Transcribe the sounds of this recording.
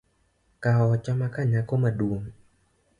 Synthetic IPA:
kaɔt͡ʃɔmakaɲakomaduəm

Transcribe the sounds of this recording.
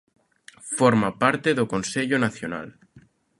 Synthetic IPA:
foɾmapaɾt̪eðoko̞nseʎonaθjona̰l

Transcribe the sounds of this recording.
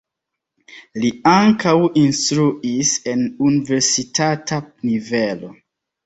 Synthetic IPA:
liaŋkawinstɾuise̞nunive̞ɾsitatʰanive̞lo̞

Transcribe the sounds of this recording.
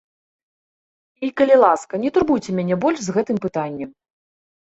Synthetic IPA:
ikɐlʲilˠaskɐnʲɛt̪urbujt͡sʲɛmʲanʲɛbɔlʲʂzɣɛt̪ɨmpɨt̪anʲːɛm

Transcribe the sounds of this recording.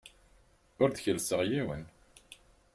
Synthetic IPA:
ʊɾðçəlsəʁjiwə̰n

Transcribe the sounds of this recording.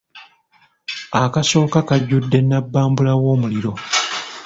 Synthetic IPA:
akaso̞ːkakaɟːudːe̞nːabːaːmbulawo̞ːmuliɾo̞

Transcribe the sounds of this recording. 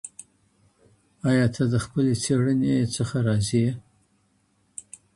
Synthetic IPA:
ɑjɑt̪ʰad̪əxpəlet͡seɽənet͡səxaɾɑzi

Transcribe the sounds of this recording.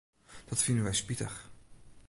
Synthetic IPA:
d̥ɑtfɪndənʋɛjspitə̰χ

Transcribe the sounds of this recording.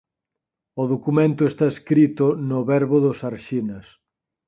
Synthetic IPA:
ʊðokumẽnt̪ʊest̪aeskɾit̪ʊnʊβɛɾβʊðʊsaɾʃinɐs

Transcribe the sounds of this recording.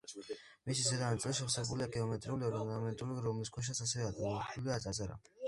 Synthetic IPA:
misizɛd̪anat̪sʼliʃɛχsɛbuliaɡɛɔmɛt̪ʼɾiuliɔɾɔnamɛnt̪ʼuliɾɔmliskʰɛʃ̬asas̬ɛvɛad̪ʼiɔuliat̪sʼazaɾa̰

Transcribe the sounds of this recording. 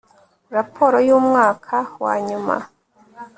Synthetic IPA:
ɾapʰo̞ɾojuːmŋaːkʰawa̰ːɲuma̰

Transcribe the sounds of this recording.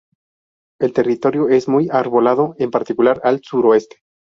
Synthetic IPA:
e̞lt̪e̞rit̪o̞ɾjo̞e̞zmujaɾβo̞laðo̞empaɾt̪ikulaɾalsuɾoe̞st̪e̥

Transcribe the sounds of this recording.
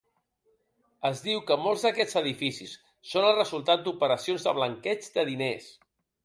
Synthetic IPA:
əzðiwkəmolˠzðəkɛd͡zəðifisisː | onəlˠrəzulˠt̪at̪̚d̪upəɾəsionzðəβ̞ləŋkɛd͡zd̪əðines

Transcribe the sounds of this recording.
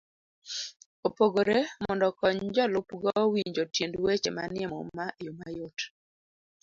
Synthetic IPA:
opoɡoɾemɔndɔkɔɲd͡ʒɔlʊpɡɔwiɲd͡ʒotjendwet͡ʃema̰nɪɛmɔ̰majumajot

